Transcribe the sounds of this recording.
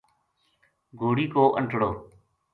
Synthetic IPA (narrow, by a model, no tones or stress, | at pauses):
ɡʱoːɽiːkoːʔə̰ɳʈɽoː